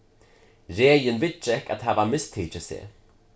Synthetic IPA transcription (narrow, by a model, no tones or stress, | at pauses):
ɾeːjənvɪt͡ʃɛka̰t̪havamɪst̪ʰiːt͡ʃəsḛː